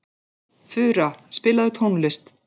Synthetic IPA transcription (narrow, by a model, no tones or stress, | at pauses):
fʏːɾaspɪːlaðʏt̪ʰowŋlɪst̪